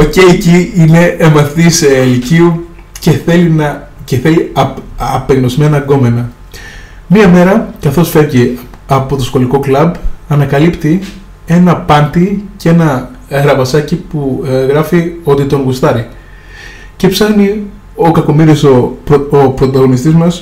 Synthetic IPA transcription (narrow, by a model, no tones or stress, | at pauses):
oce̞jeciine̞ːmɐθt̪iseliciu | ceθelinɐceθe̞liɐpeɣno̞zme̞nɐɡo̞menɐ | miɐme̞ɾɐkɐθo̞sfe̞ɾʝiɐpo̞t̪o̞sxo̞liko̞klɐbɐnɐkɐlipt̪i | e̞nɐpɐnt̪ice̞nɐ | ɣɾɐvɐsɐcipuɣɾɐfio̞t̪it̪o̞ŋɡust̪ɐɾi | ce̞psɐxni | o̞kɐko̞miɾisoopɾo̞t̪ɐɣo̞nist̪izmɐs